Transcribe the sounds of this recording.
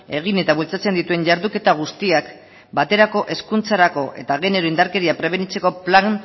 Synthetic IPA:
e̞ɣ̞ine̞t̪aβult͡sat͡se̞nd̪it̪ue̞ɲʝaɾðuke̞t̪aɣ̞ust̪iak | bat̪e̞ɾako̞ʔe̞skunt͡saɾako̞ʔe̞̰t̪aɣ̞e̞ne̞ɾo̞ind̪aɾke̞ɾiapɾe̞β̞e̞nit͡se̞ko̞plan

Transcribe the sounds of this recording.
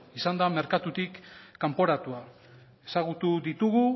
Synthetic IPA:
isand̪ame̞ɾkat̪ut̪ikːampo̞ɾat̪ua | e̞saɣut̪uðit̪uɣu

